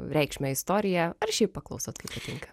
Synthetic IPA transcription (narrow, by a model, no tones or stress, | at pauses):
ɾʲɛɪkʃʲmʲɛɪst̪oːɾʲɪjɛɐrʃʲɛɪp̚ːpɐklˠɐʊsoːt̪kɐɪppɐt̪ʲɪŋkɐ